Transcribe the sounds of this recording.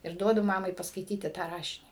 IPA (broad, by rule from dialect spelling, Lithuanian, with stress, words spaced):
ɪr ˈduɔdʊ ˈmɑːmɐɪ pɐskɐɪˈtʲiːtʲɪ tɑː ˈrɑːʃʲɪnʲiː